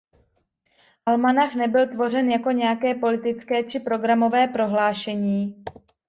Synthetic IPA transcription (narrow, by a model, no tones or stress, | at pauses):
ʔalmanaxnɛbɪlt̪vo̞rɛnjako̞ɲɛjakɛːpo̞lɪt̪ɪt͡skɛːt͡ʃɪpɾo̞ɡɾamo̞vɛːpɾo̞ɦlaːʃɛɲiː